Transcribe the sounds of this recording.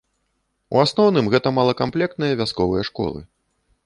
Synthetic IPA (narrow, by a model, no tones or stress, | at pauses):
ṵasnɔwnɨmɣɛt̪ɐmalˠɐkamplʲɛk̚t̪nɨjɐvʲaskɔvɨjɐʂkɔ̰lˠɨ̰